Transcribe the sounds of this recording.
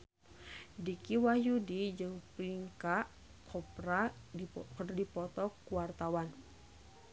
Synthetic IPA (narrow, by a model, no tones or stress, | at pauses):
dikiwajudid͡ʒɨŋpliŋkaʔ | kʰɔpɾa | kdipɔt̪ɔkuwart̪awan